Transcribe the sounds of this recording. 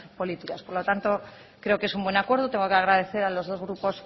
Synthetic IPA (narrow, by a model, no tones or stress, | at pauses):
po̞lit̪ikaspo̞ɾlo̞t̪ant̪o̞ | kɾeo̞ke̞sumbwe̞nakwe̞ɾð̞ot̪e̞ŋɡo̞keaɣɾaðe̞θe̞ɾalo̞zðo̞zɣɾupo̞s